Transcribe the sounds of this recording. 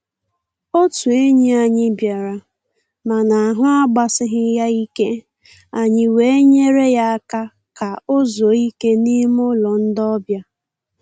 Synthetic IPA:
o˦tu˨e˦ɲe˦a˨ɲɪ˦bja˨ɾa˨ | ma˨na˨a˨ɦʊ˦a˦ɡ͡ba˨sɪ˦ɦɪ˦ja˦i˦ke˦ | a˨ɲɪ˨we˨˦e˦ɲe˦ɾe˦ja˦ka˦ | ka˨o˦zo˨i˦ke˦ni˦mʊ˦lɔ˨n̩˦dɔ˦bja˦

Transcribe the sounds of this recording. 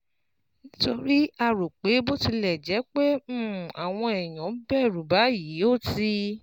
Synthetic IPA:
nĩ˦to˧ɾi˦a˧ɾo˨k͡pe˨˦bo˦ti˧lɛ˨d͡ʒɛ˨˦k͡pẽ˦a˨w̃ɔ̃˧ɛ˨j̃ɔ̃˨˦bɛ˦˨ɾu˨ba˨˦ji˨˦o˦˨ti˧˦

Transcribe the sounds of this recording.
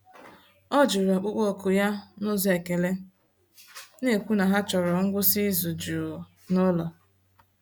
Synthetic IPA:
ɔ˦d͡ʒu˨ɾa˨k͡pʊ˦k͡po˦˨kʊ˨ja˦no˦ze˨ke˨le˦ | ne˦˨kʷu˦na˨ɦa˦t͡ʃɔ˨ɾɔ˨ŋ̩˦ɡʷʊ˦si˦zu˨d͡ʒu˨o˨ | nʊ˦lɔ˨

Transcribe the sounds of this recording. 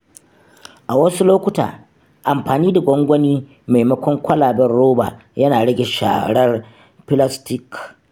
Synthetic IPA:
ʔa˨wɐ˦su˦loː˦kʷʊ˦ta̰ː˨ | ʔa˨mɸaː˨niː˦da˨ɡʷɔ˦ŋɡʷɔ˦niː˦ | ma˨jmɐ˦kʷɔ˦ŋkʷɐ˦laː˨bɐ˦rɽoː˦ba̰ː˨jɐ˦naː˨ɽɐ˦ɡʲe˨ʃa̰ː˨ɽɐ˦r | pɪ˦la˦stɪ˦˨k

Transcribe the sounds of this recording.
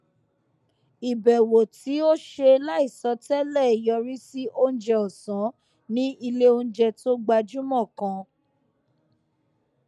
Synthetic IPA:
i˨bɛ˨wo˨ti˨˦o˦ʃe˧la˦i˦˨sɔ˨˧˦tɛ˦lɛ˦˨jɔ˧ɾi˦si˦ʔo˦n̩˦d͡ʒɛ˦ɔ˨sã˨˦ | nĩ˦i˧le˦o˧n̩˦d͡ʒɛ˧to˦ɡ͡ba˧d͡ʒu˦mɔ̃˦˨kã˧

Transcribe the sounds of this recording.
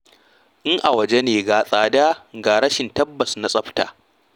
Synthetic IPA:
ʔɪ˦ŋʔa˨wɐ˨d͡ʒe˦neː˨ɡaː˨sʼaː˨daː˦ɡaː˨ɽɐ˦ʃɪ˨ntɐ˦bːɐ˨sna˨sʼɐ˦ɸta̰ː˨

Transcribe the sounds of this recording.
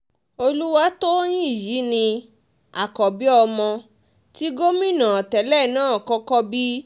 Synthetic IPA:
o˧lu˦wa˧˦to˦j̃ĩ˦i˦˨ji˨˦nĩ˧ | a˨kɔ˨bi˨˦ɔ˧mɔ̃˧ | ti˦ɡo˦mĩ˦˨nã˨ɔ˨tɛ˨lɛ˦˨nãː˦˨kɔ˦kɔ˦bi˦

